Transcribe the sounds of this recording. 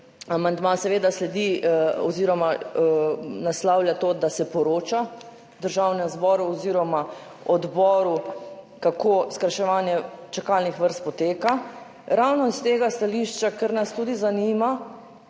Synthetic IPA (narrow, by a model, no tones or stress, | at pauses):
amand̪masɛʋeːd̪aslɛd̪iɔ̰ziɾɔma | naslawljat̪oːd̪asɛpɔɾoːt͡ʃa | d̪əɾʒawnɛmzbɔːɾuɔziːɾɔma | ɔd̪bɔːɾu | kakʰoskɾaʃɛʋaːnjɛt͡ʃakaːlnixʋəɾst̪̚pɔt̪eːka | ɾawnɔst̪eːɡast̪aliʃt͡ʃakəɾnast̪ud̪izaniːma